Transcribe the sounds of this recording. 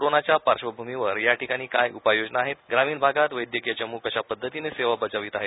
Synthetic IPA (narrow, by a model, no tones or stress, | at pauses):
ɾonat͡ɕjapaɾʂʋəbʱumiʋəɾjaʈʰikaɽ̃iːkajupajod͡ʑnaaːɦet̪ɡɾamiːnbʱaɡat̪ʋəjd̪jəkijat͡ɕəmuːkəɕapəd̪ʱːət̪ineseʋabət͡saʋiːt̪aɦe